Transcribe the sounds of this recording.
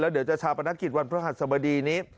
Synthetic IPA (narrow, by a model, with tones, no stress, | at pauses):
lɛː˦˥wdi˨˩˦t͡ɕa˨˩t͡ɕʰaː˧wpa˧na˦˥kːi˨˩t̪̚wa˧npʰa˧˥˦ɦa˨˩t̪̚sa˧˩ba˧diː˧niː˦˥